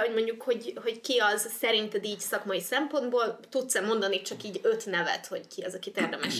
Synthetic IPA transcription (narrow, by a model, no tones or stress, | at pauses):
o̞ɟmo̞ɲɟukho̞ɟho̞ɟckiɒzsɛɾint̪ɛd̪iːcsɒkmɒjisɛmpo̞nd̪boːlt̪ut̪sɛmo̞nd̪ɒnit͡ʃɒkiːɟø̞t̪nɛvɛ̰t̪ho̞ɟkiɒzɒkit̪eːrd̪ɛmɛʃ